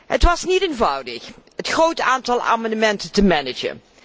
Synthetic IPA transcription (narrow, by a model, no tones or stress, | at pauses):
hətʋɑsniteːnvɑwdəχhətχrowtaːntɑlˠa̰ːmɑndəmɛntəntəmɛnɪd͡ʒə̰n